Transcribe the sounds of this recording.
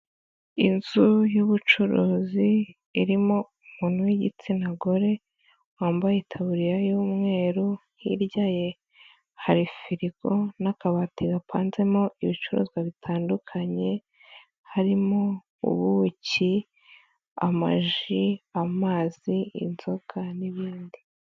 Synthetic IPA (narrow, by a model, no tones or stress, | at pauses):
ḭnz̥ujuβut͡ʃuɾuːziː | ɾimo̞ | umuːn̥huwiɟḭt͡sinaɡoɾe̞ | waːmbajetʰaβuɾijajuːmŋe̞ːɾuhiɾɟaːje̞ | haɾifiɾiɡo̞nakaβatiɡapʰaːnze̞moiβit͡ʃuɾṵːziwaβitʰaːndukʰaɲe̞ | haɾimo | ṵβuci | a̰ma̰ʒiamaːz̥iḭnzoɡaniβiːndi